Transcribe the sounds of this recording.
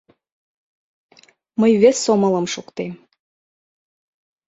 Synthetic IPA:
məjβesːomɤ̆lɤ̆mʃukt̪em

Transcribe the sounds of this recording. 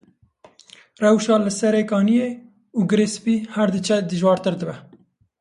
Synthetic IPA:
rɛwʃɑːlɨsɛɾeːkɑːnijeː | uɡɨɾespiːhæɾd̪ɨt͡ʃʰɛd̪ɨʒwɑːɾt̪ɨɾd̪ɨbɛ

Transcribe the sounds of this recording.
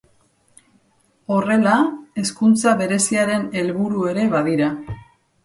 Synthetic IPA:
o̞re̞lae̞skunt͡saβe̞ɾe̞siaɾe̞ne̞lβuɾue̞ɾe̞βaðiɾa

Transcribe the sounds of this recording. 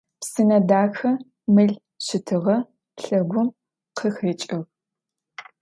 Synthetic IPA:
psɨnɐdaːxɐ | mɨɮ | ɕɪtʰɨʁɐ | ɬɐɡʷʊm | qʰəxeːt͡ʃʼɪʁ

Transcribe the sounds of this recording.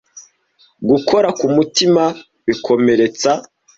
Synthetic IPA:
ɡukʰo̞ɾakumutima | βikʰo̞me̞ɾe̞t͡sa

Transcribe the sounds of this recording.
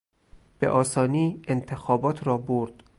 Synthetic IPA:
b̥ḛʔɒːsɒːniːent̪ʰexɒːbɒːt̪ʰɾɒːboɾd̪̥

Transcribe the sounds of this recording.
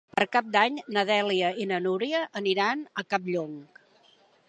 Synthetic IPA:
pəɾkap̚d̪aɲnəðɛliəinənuɾiəʔːniɾanəkap̚ʎoŋk

